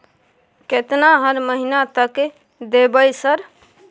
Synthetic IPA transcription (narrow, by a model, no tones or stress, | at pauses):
ket̪naɦəɾməɦinat̪ək | d̪ebəjsəɾ